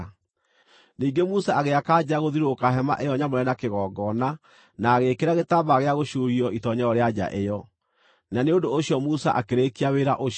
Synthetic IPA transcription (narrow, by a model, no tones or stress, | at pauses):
niːɡemusaaɣeakad͡ʑaɣoðiɾokaɦɛma̰ʔejɔɲamoɾɛnakeɣɔːɡɔna | naːɣekeɾaɣetaβaɣeaɣoɕuɾiɔʔitɔɲɛɔɾead͡ʑa̰ʔejɔ | naneondoːɕiɔmusa̰ʔakeɾekiaweɾaʔo